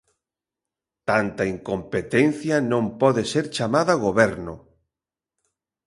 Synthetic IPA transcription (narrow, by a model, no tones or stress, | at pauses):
t̪ant̪ɐiŋkompet̪enθjɐnõmpɔðeseɾt͡ʃamaðɐɣoβɛɾnʊ̰